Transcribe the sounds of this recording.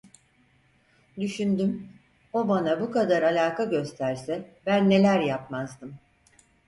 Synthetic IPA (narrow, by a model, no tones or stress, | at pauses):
d̪yʃynd̪ym | o̞banabukad̪aɾalʲaːkʰaɟø̞st̪ʰæɾsɛbænːe̞lʲæɾjap̚mazd̪ɯm